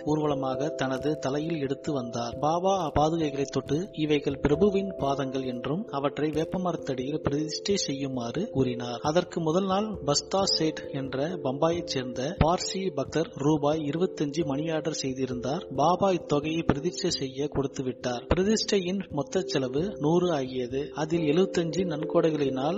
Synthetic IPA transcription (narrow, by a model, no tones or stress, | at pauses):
uːɾʋɐɭɐmaːɣɐt̪ɐnɐðɯt̪ɐlɐjɪlɛɽɯt̪ːɯʋɐnd̪aːɾbaːbaːpaːðɯɣɐɪɣɐɭɐɪt̪ːɔʈːɯɪʋɐɪɣɐɭpɪɾɐbɯʋɪnpaːðɐŋɡɐɭɛndrɯmɐʋɐʈrɐɪʋeːpːɐmɐɾɐt̪ːɐɽɪjɪlpɪɾɐðɪsʈɐɪsɛjːɯmaːrɯkuːrɪnaːɾɐðɐrkɯmʊðɐlnaːlbɐst̪aːseːʈɛndrɐbɐmbaːjɐɪt͡ʃːeːɾnd̪ɐpaːɾsibɐk̚ʈɐɾɾuːbaːjɪɾɯbɐt̪ːɐɲd͡ʒɯmɐɳɪjaːɽɐɾsɛjðɪɾɯnd̪aːɾbaːbaːjt̪ːɔɣɐjɐɪpɪɾɐðɪɾt͡ʃɐsɛjːɐkɔɽɯt̪ːɯʋɪʈːaːɾpɪɾɐðɪsʈɐjɪnmɔt̪ːɐt͡ʃːɐlɐʋɯnuːrɯaːɣɪjɐðɯɐðɪlɛɭɯbɐt̪ːɐɲd͡ʒɯnɐnkoːɽɐɪɣɐɭɐɪnaːl